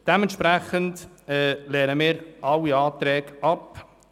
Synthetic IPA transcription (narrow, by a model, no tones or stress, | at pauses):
d̥ɛmɛnt̪ʃpɾæχənd | ɛːlɛːɾəmiːɾʔɑwːiɑːt̪ɾɛːɡɑp